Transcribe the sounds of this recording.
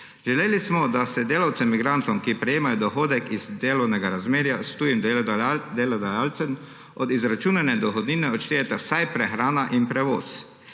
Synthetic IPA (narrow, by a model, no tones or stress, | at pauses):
ʒɛleːlismɔd̪asɛd̪eːlawt̪sɛmːiɡɾant̪ɔmkipɾɛjeːmajɔd̪ɔxoːd̪ɛkizd̪eːlɔwnɛɡaɾazmeːɾjast̪uːjimd̪d̪elɔd̪ajalt̪sɛm | ɔd̪izɾat͡ʃuːnɛnɛd̪ɔxɔd̪niːnɛɔt̪ʃt̪eːjɛt̪ɛwsajpɾɛxɾaːnaʔinpɾɛʋoːs